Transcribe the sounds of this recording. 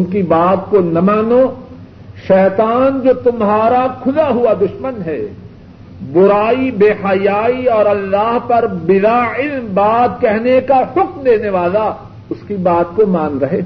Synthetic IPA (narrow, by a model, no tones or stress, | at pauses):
ʊnkibaːt̪̚konɐmaːno | ʃɛːt̪aːnd͡ʒoːt̪ʊmɦaːɾakʰʊlaɦʊad̪ʊʃmənɦɛ | bʊɾaːibeːhajaːiɔːɾɐlːaːɦpɐɾbɪd̪aɪlmbaːt̪̚kɛɦnekahʊkmd̪eːneʋaːla | ʊskibaːt̪komãːnɾɐɦeː